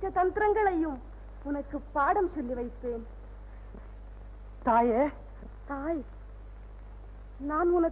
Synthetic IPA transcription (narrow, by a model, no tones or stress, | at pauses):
kːɐt̪ɐnd̪ɪɾɐŋɡɐɭɐjɯm | ʊnɐkːɯpːaːɽɐmsɔlːiʋɐɪpːeːn | t̪aːje | t̪aːj | naːnʊnɐ